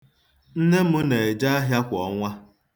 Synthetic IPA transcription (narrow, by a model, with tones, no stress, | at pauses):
n̩˦ne˦mʊ˦ne˨e˨d͡ʒa˦a˦ɦja˦kʷɔ˨˦ŋʷa˦